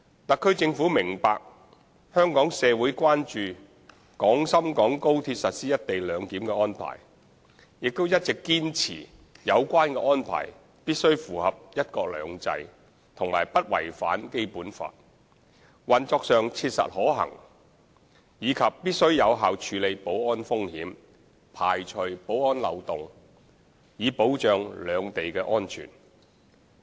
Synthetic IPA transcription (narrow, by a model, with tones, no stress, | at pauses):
t̪ɐ˨kʰːɵ˥ɥt͡sɪ˧ŋfuː˨˥mɪ˨˩ŋpa̰ː˧k̚ | hœː˥ŋkɔː˨˥ŋsɛː˨˧wuː˨˥jkʷaː˥nt͡ʃyː˨˧ | kɔː˨˥ŋsɐ˥mkɔː˨˥ŋko˥wt̪ʰi˧t̚sɐ˨t̚siː˥jɐ˥t̚t̪e˨jlœː˨˧ŋt̪iː˨˥mkɛː˧ʔɔː˥npʰa̰ː˨˩j | jɪ˨k̚t̪o˥wjɐ˥t̚t͡sɪ˨kːiː˥nt͡sʰḭː˨˩ | jɐ˨˧wkʷaː˥nkɛː˧ʔɔː˥npʰa̰ː˨˩j | piː˥t̚sɵ˥ɥfuː˨˩hɐ˨p̚jɐ˥t̚kɔː˧k̚lœ̰ː˨˧ŋt͡sɐ̰˧j | t̪ʰʊ˨˩ŋmaː˨˩jpɐ˥t̚wɐ̰˨˩jfa̰ː˨˥nke˥jpuː˨˥nfa̰ː˧t̚ | wɐ˨˩nt͡sɔː˧k̚sœː˨˧ŋt͡sʰiː˧t̚sɐ̰˨t̚hɔː˨˥ɦɐ̰˨˩ŋ | jiː˨˧kʰɐ˨pːiː˥t̚sɵ˥ɥjɐ˨˧wɦaː˨wt͡ʃʰyː˨˧le˨˧jpo˨˥wɔː˥nfʊ˥ŋhiː˨˥m | pʰaː˨jt͡ʃʰɵ˨˧ɥpo˨˥wɔː˥nlɐ̰˨˧wt̪ʊ˨ŋ | jiː˨˧po˨˥wt͡ʃœː˨ŋlœː˨˧ŋt̪e˨jkɛː˧ʔɔː˥nt͡ʃʰy̰ː˨˩n